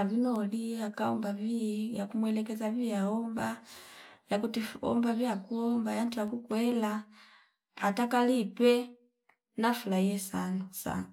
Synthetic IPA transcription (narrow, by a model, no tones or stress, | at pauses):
avinɔliakaɔmbavijakumwɛlɛkɛzavijaɔmba | jakutiɔ̰mbavjakuɔmbajantujakukwɛla | atakalipɛ | nafulaiɛsanasa̰na